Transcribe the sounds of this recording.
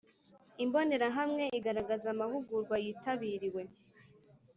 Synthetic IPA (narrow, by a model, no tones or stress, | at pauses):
imbo̞ne̞ɾaɦamŋe̞ʔiɡaɾaɡazamaɦuɡuɾɡwajiːtaβiɾiwe̞